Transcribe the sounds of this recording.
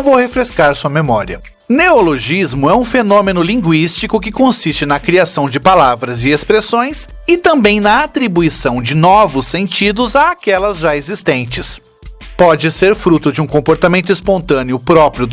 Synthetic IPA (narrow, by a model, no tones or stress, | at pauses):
vowhefɾeskaɾsuɐmemɔɾiɐ̰ | neoloʒizmʊɛũfenõmenʊlĩŋɡwist͡ʃikʊkɪkõsist͡ʃɪnɐkɾiasɐ̃w̃d͡ʒɪpalavɾɐzɪespɾesõj̃s | ɪt̪ɐ̃mbẽj̃nɐat̪ɾibuisɐ̃w̃d͡ʒɪnɔvʊsːẽnt͡ʃid̪ʊzaakɛlɐzʒaezist̪ẽnt͡ʃɪs | pɔd͡ʒɪseɾfɾut̪ʊd͡ʒɪũkõmpoɾt̪amẽnt̪̬ʊispõnt̪ɐ̃nɪʊpɾɔpɾjʊ